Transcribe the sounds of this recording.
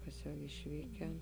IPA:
ˈkɐs jɛʊ ɪʃʲˈʋʲiːkʲɛn

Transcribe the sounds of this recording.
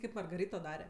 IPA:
ˈkɐɪp mɐrɡɐˈrʲɪtoː ˈdɑːrʲɛ

